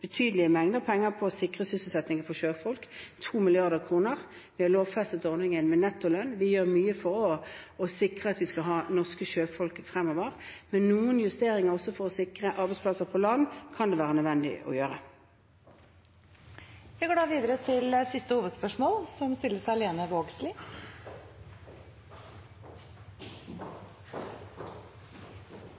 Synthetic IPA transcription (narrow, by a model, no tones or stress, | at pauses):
b̥ət̪ʰyːd̪əlɪəmɛŋd̪əpʰɛŋːəpʰɔsɪkʁəsʏsl̩sɛt̪nɪŋəfɔʃøːfɔlkt̪ʰuːmɪlɪɑʁd̪əʁkʰʁuːnəʁ | ʋɪhɑloːʋfɛst̪ət̪ɔʁnɪŋənmɛnɛt̪ːɔlœnʋɪjøːʁmyːəfɔɾɔɔsɪkʁəɑt̪ʋɪskɑɦɑːnɔʁskəʃøːfɔlkfʁɛmːɔʋəʁmɛnːuːənjʉst̪eːʁɪŋəʁɔsːɔfɔʁɔsɪkʁəʔɑʁbɛɪspʰlɑsəʁpʰɔlɑnːkʰɑnd̪ɛʋæːʁənœd̪ʋɛnd̪ɪ̰ʔɔ̰jøːʁə | ʋɪɡoːɖɑːʋiːd̪əɾət̪ʰɪlsɪst̪əhuːʋəd̪spœʂmoːlsɔmst̪ɪlːəsɑleːnəʋoːɡslɪː